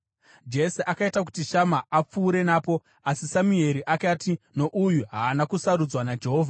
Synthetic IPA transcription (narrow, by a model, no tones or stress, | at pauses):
d͡ʒe̞seʔakaitak̬u̥tiʃamaap͡fuːɾe̞naːpo̞ | asisamue̞ɾiʔakaːtino̞ʔujuɦaːnakusaɾud͡zwanad͡ʒe̞ɦo̞ːvʱa